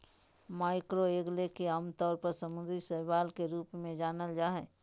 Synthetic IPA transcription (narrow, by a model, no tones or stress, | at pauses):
maːɪkɾoeːɡlekeaːmt̪ɔːɾpəɾsəmʊd̪ɾisəɦbaːlkeɾuːpmẽd͡ʒaːnəld͡ʒaːɦɛ